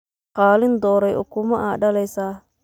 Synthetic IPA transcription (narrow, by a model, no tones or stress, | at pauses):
qaːlɪnd̪ɔːɾɛjʊ̰kʊmɐʔaːɗɐlɛjsaː